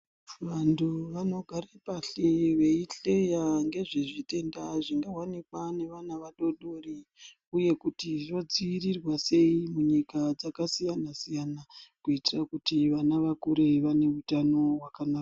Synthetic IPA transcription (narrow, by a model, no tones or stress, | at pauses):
ʋanduʋano̞ɡʱaɾapaɬeʋe̞iɬejaŋɡe̞ʐeʐite̞ndaʐiŋɡawanikwane̞ʋanaʋaɗo̞ɗori | uje̞kutiʐo̞d͡ziːrirwase̞imuɲikad͡zakasijanasijanakuitirakutiʋanaʋakuɾe̞ʋane̞utano̞wakanaːka